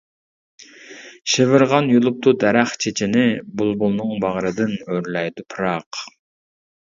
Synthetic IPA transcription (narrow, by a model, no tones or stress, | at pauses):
ʃevɪɾʁɑnjolˠup̚t̪ʰud̪ɛɾæχt͡ʃʰet͡ʃʰɪnɪbulˠbulˠnɨŋbɑʁɾɨd̪ɪnøɾlɛjd̪upʰɨɾɑq